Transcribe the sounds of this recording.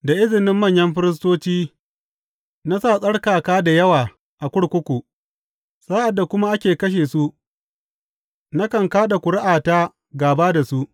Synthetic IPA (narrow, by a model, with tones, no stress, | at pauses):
da˨ʔɪ˦zɪ˨nɪ˦mːɐ˦˨ɲjɐ˦mɸɪ˦ɾɪ˦s̬toː˦t͡ʃiː˦ | na˦saː˦˨sʼɐ˦ɽkaː˨kaː˦da˨jɐ˦waː˨ | ʔa˨kʷʊ˦ɽkʷʊ˦kʷu˨ | saː˦ʔa˨dːa˨kʷʊ˦ma˦ʔa˦kʲeː˨kɐ˦ʃ̬eː˨su˦ | na˦kɐ˨ŋkaː˦ɗa˨kʷʊ˨ɽɪ˦ʔaː˨taː˦ | ɡaː˨baː˦da˨su˦ʔ